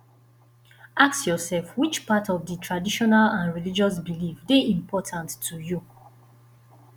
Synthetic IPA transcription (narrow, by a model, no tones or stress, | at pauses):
aksjɔsɛlfwit͡ʃpatʰɔvdətʰɹadiʃɔnalãnɹilid͡ʒɔs̬bilifdeʔĩmpʰɔtʰãntːuju